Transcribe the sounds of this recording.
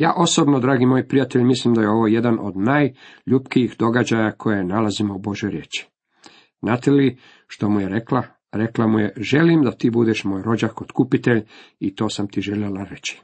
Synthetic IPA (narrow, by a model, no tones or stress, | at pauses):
ja̰ːʔo̞sobnod̪ɾaːɡimojpɾijat̪e̞ʎmislimd̪ajeo̞ʋo̞ːje̞d̪anʔo̞̰d̪naːjʎupkijixd̪o̞ɡad͡ʑajakʰo̞jenalazimoubo̞ʒjojɾjeːt͡ʃi̥ | znaːt̪eli | ʃt̪o̞mujeɾekla | ɾeklamujeʒe̞limd̪at̪iːbud̪eʃmoːjɾo̞d͡ʑakot̪kupit̪e̞ʎit̪o̞ːsamt̪iʒeʎelaɾe̞t͡ɕi̥